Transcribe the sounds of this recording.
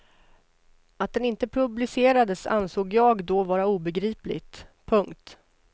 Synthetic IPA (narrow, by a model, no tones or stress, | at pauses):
at̪̚d̪ɛnɪnt̪əpʰɾɵblɪseːɾad̪əsa̰nsoːɡjɑːɡd̪ɔvɑːɾauːbɛɡɾiːplɪ̰ɡt̪pʰɵŋkt̪